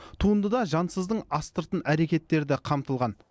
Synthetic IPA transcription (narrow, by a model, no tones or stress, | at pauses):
t̪ʰuənd̪əd̪ɑʒɑnsəzd̪əɴɑst̪əɾt̪ənʔæɾe̞kʲe̞t̪ːe̞ɾd̪ɪqʰɑmt̪əlˠʁɑn